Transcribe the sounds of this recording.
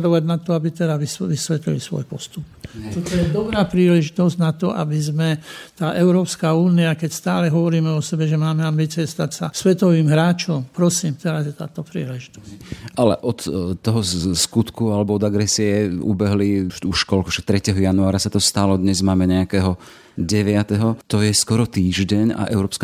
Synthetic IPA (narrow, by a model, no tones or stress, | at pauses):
ɾɔʋaɟnat̪ɔabit̪ɛd̪aʋisʋisʋɛt̪lḭlisʋɔ̰jpɔst̪upt͡ʃɔt̪ɔjɛd̪ɔbɾaːpɾiːlɛʒit̪ɔzɟnat̪ɔʔa̰bizmɛt̪aːʔɛʊɾɔːpskaːuːniakɛcst̪aːlɛɦɔʋɔɾiːmɛɔsɛbɛʒɛmaːmɛambiːt͡siɛst̪acsasʋɛt̪ɔʋiːmɦɾaːt͡ʃɔmpɾɔsiːmt̪ɛɾazjɛt̪a̰ːt̪ɔpɾḭːlɛʒit̪ɔ̥sʔalɛ̰ʔɔt̪t̪ːɔɦɔskut̪kualɛbɔɔd̪aɡɾɛsiɛṵbɛɦliuʃkɔlkuʃak̚t̪ɾɛcɛɦɔjanuaːɾasat̪ɔst̪alɔd̪ɲɛzmaːmɛɲɛakɛɦɔ | ɟɛʋɪat̪ɛɦɔt̪ɔjɛskɔɾɔt̪iːʒɟɛɲa̰ʔɛʊɾɔːpsk